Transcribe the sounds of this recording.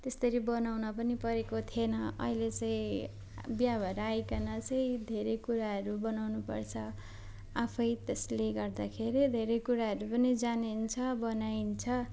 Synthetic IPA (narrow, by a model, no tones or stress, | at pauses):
t̪est̪ʌɾibʌnawnʌpʌnipʌɾekot̪ʰienʌʌ̰ilet͡sʌ̃ĩ | bjabʱʌɾajkanʌt͡sʌj̃d̪ʱeɾʌjkuɾaɦʌɾubʌnawnupʌ̰rt͡sʰʌ | apʰʌjt̪esleɡʌrd̪akʰeɾid̪ʱeɾʌjkuɾaɦʌɾupʌnid͡zanint͡sʰʌbʌnaint͡sʰʌ